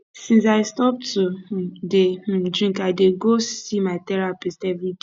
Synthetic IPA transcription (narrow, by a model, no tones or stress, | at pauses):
sĩns̬aɪstɔp̚tudedɹĩŋkaɪdeɡosimaɪtɛɹapestɛvɹi